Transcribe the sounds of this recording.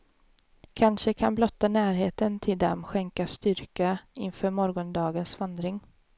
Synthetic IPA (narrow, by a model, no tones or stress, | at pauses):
kʰanʂəkʰanblɔt̪ːanæːɾɦeːt̪ənt̪ʰɪld̪ɛ̰mɧɛŋkast̪ʏɾkaɪnfœːɾmɔɾɡɔnd̪ɑːɡənsvand̪ɾɪŋ